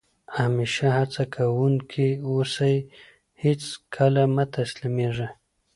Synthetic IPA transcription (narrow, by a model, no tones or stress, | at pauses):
ameʃahat͡sakʰawuŋkʰiwosaj | het͡skʰalamat̪aslimeʐa